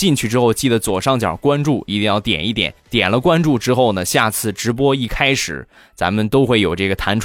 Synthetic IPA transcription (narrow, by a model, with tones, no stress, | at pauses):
t͡ɕi˥˧ŋt͡ɕʰy˥˩ʈ͡ʂɻ̩˥xo˥˧ʊt͡ɕi˥˩d̪ə˩t͡swɔ˨˩ʊʂɑ˥˩ŋt͡ɕjɑ̰˨˩kwa˥nʈ͡ʂu˥˩i˧˥t̪i˥˧jɑ˥˩ʊt̪jɛ̰˨˩ni˥˩t̪jɛ̰˨˩˦nnt̪jɛ̰˨˩nlə˦kwa˥nʈ͡ʂu˥˩ʈ͡ʂɻ̩˥xo˥˩ʊnə˩ɕja˥˩t͡sʰɹ̩˥˩ʈ͡ʂɻ̩˧˥p̬wɔ˥i˥˩kʰa˥ɪʂɻ̩˨˩˦ | t͡sa̰˧˥mə˧nt̪o˥ʊxwe˥˩ɪjo˨˩ʊʈ͡ʂɤ˥˩ɡə˩t̪ʰa˧˥nʈ͡ʂʰ